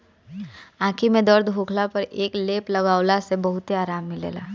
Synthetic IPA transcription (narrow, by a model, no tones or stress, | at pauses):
ãːkʰimẽd̪əɾd̪bʱuːkʰlapəɾeːkleːplɐɡaːʊlasebɐɦʊt̪eaːɾaːmːilḛːlaː